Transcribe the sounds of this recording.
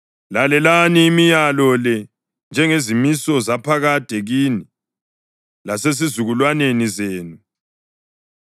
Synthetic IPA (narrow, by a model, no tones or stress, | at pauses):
lalɛlaniːmijalɔlɛ | nd͡ʒʱɛŋezimisɔzapʰaɣad̥ʱeɣini | lases̬izuɣulwanenizeːnu